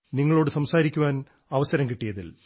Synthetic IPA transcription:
niŋːɐɭo̞ːɽɨsɐmsaːɾikʲːuʋaːn | ɐʋɐsɐɾɐmkiʈːijɐðḭl

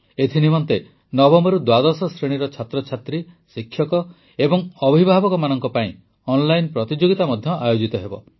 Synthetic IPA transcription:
et̪ʰinimɔnt̪e | nɔbɔmbɔɾud̪wad̪ɔsɔsɾeɽ̃iɾɔt͡ʃʰat̪ɾɔt͡ʃʰat̪ɾisikʰːjɔkɔ | ebɔŋɔbʱibʱabɔkɔmanɔŋkɔpaĩ | ɔnlajnpɾɔt̪id͡ʒoɡit̪amɔd̪ʱjɔʔajod͡ʒit̪ɔɦebɔ

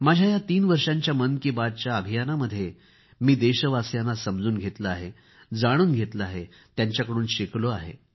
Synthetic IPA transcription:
mad͡ʑʱjajat̪iːnʋəɾʂãɲt͡ɕjamənkibad̪̚t͡ɕjaəbʱijanaməd̪ʱːje | miːd̪eɕəʋasjanːasəmd͡zuːnɡʱet̪ləaɦe | d͡zaɽ̃uːnɡʱet̪ləaɦe | t̪jaɲt͡ɕjakəɽuːnɕikloaɦḛ

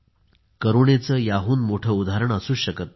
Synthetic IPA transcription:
kəɾuɳet͡səːjaɦuːnmoʈʰəːud̪ʱaɾəɳəsuːɕəkət̪̚

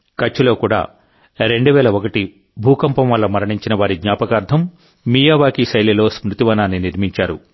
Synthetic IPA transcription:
kɐt͡ʃːulo̞ːkuːɽa̰ː | ɾe̞ɳɖuʋɛːlɐokɐʈi | bʱuːkɐmpɐmʋɐlːɐmɐɾɐɳiɲt͡ʃinɐʋaːɾiɡɲaːpɐkaːɾd̪ʱɐmː | ijaːʋaːkisɐjlelo̞ːsmɾut̪iʋɐnaːnːiniɾmiɲt͡ʃaːɾṵ

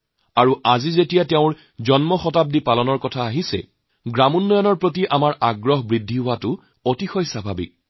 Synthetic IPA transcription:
aɹuazizetijatɛʊ̃ɹ | zɔnmɔxɔtap̚dipalɔnɔɹkɔtʰaːɦisɛ̰ | ɡɹamunːɔjɔnɔɹpɹot̬iʔamaɹʔaɡɹɔɦbɹidʱːiɦʊwatʊ | otixɔjsabʱabḭk̚

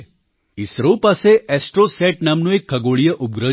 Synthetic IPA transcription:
isɾopaseʔɛsʈɾosɛʈ̚namnũekʰːəɡoɭijəʔub̚ɡɾə

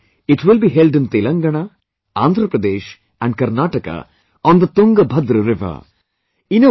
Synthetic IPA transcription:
ɪʈʋɪlbiːɦelɖə̃nt̪elɐ̃ŋɡɐɳ̃a | ãːnd̪ʱɾəpɾɐd̪eːʃ | ɛ̃ɳɖ̚kɐɾnaːʈɐka̰ | ɔ̃nd̪ət̪ũŋɡɐbʱɐd̪ɾɾɪʋɐ̰ | ino

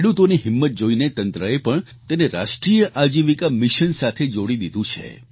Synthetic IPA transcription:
eɽut̪oniɦɪmːət̪̚d͡ʒoinet̪ənt̪ɾəepəɳ | t̪eneɾa̰ʃʈɾijəʔad͡ʒiʋikamɪʃənsat̪ʰed͡ʒoɽid̪id̪ũt͡ʃʰḛ

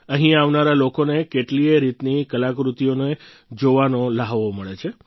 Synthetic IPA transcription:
ə̃ɦĩaʋnaɾalokonekeʈlieɾit̪nikəlakɾut̪ionoe | d͡ʒoʋanolaɦʋoməɭet͡ʃʰe

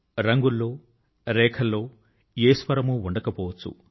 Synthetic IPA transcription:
ɾɐŋɡulːo̞ː | ɾɛːkʰɐlːo̞ː | eːsʋɐɾɐmuuɳɖɐkɐpɔːʋɐt͡sːṵ

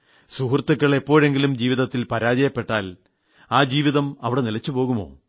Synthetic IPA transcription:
suhrt̪ːukːɐɭepːo̞ːɻe̞ŋɡilumd͡ʑiːʋiðɐt̪ːilpɐɾaːd͡ʑɐjɐpːe̞ʈːaːl | aːd͡ʑiːʋiðɐmɐʋiɽe̞nilɐt͡ɕːupo̞ːɣumo̞̰ː

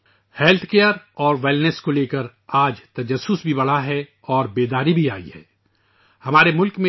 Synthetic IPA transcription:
hɛːlt̪ʰkejəɾɔːɾʋeːlneskoleːkəɾ | aːd͡ʒt̪ɐd͡ʒəsːʊsbʱibɐɽ̤aɦɛ | ɔːɾbeːd̪aːɾibʱiaːḭhɛ̰ː | hɐmaːɾemʊlkmẽ

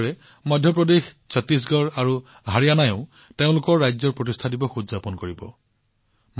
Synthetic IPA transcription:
ɹɛ | mɔjdʱjɔpɹɔdex | sɔtis̬ɡɔɹaɹu | ɦaɹijanajɔ̃ʊ̃ | teʊ̃lʊkɔɹːajzɔɹpɹɔtistʰadibɔxuzapɔnkoɹibɔ̰ | m

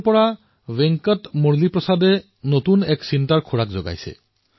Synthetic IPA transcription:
pɔɹa | bɛŋkɔtmoɹlipɹɔsade | not̪unɛksintaɹkʰuɹakzɔ̰ɡa̰jsḛ

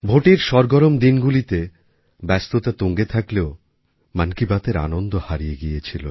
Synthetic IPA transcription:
bʱoʈiɾʃɔɾɡɔɾomd̪inɡulit̪e | bɛst̪ot̪at̪oŋɡet̪ʰakleo | mankibat̪eɾa̰nond̪ohaɾijeɡijet͡ɕʰilo̰

